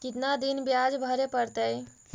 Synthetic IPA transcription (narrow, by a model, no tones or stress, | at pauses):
kit̪nad̪inbjad͡ʒbʱəɾepəɾt̪əj